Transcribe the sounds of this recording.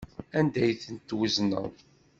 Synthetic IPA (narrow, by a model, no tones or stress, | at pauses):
ænd̪æjθənt̪ːwəznə̰ʁ